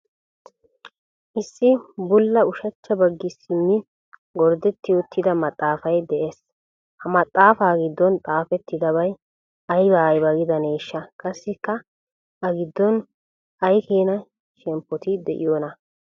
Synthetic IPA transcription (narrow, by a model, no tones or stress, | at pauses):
ʔɪsːɪbʊlːɐʊʃɐt͡ʃːɐbɐɡːɪsɪmːɪ | ɡɔɾd̪ɛt̪ːɪʊt̪ʰːɪd̪ɐmɐt̪ʼːaːfɐjd̪ɛʔeːs | hɐmɐt̪ʼːaːfaːɡɪd̪ːɔnt̪ʼaːfɛt̪ːɪd̪ɐbɐj | ɐjbaːjbɐɡɪd̪ɐneːʃːɐkʼɐsːɪkːɐ | ʔɐɡɪd̪ːɔn | ʔɐjkeːnɐ | ʃɛmpːɔt̪ɪd̪ɛʔɪ̰joːnɐ